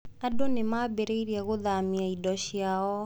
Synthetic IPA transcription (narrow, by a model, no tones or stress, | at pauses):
adɔnɪmaːbeɾeiɾjaɣoðamiaidɔʃjaɔ